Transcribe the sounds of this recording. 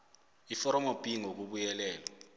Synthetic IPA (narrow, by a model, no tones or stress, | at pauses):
ifɔɾɔmob̥ʱiŋok̬uɓujɛlɛːlɔ